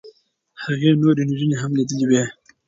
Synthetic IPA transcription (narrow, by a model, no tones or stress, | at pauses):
haɣenoɾenʒuneɦamnid̪əliwe